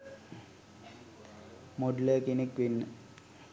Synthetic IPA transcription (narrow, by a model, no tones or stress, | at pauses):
moɖləkinekʋenːə